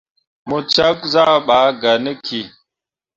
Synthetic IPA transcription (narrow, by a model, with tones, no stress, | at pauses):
mo˨t͡ʃa˦k̚za˦˨ɓa˨˦ɡa˨nə˦kʰi˨